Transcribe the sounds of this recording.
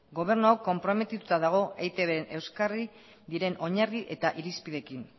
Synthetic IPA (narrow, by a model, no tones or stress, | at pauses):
ɡo̞β̞e̞ɾnuakːo̞mpɾo̞me̞t̪it̪ut̪aðaɣ̞o̞ʔejt̪e̞βenʔe̞wskari | ðiɾe̞no̞ɲariʔe̞t̪aʔiɾispiðe̞kin